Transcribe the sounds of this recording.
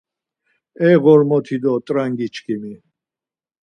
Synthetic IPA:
ɛɣɔɾmɔt̪ʰid̪ɔt̪ʼɾaŋɡit͡ʃʰkʰʼimi

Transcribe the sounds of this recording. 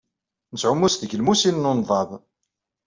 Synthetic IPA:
nəsʕʊmːusðəʝlmusinnunðˤɑð

